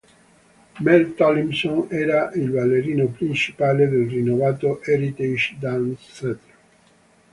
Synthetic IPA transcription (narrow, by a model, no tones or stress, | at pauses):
mɛlt̪ɔlimsonɛːɾaʔilvalːeɾiːnopɾint͡ʃi̥paːled̪elrinːovaːt̪oʔɛɾit̪id͡ʒd̪anssɛt̪